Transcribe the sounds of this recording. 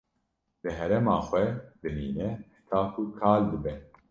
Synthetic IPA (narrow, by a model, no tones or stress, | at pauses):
b̥ɨɦɛɾɛmɑːxʷɛd̪ɨniːnɛħɪ̥t̪ʰaːkʰukʰaːld̪ɨbɛ